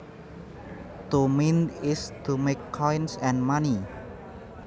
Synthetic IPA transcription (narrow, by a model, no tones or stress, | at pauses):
t̪ominɪstʰumekʰːɔjnsɛ̃nmani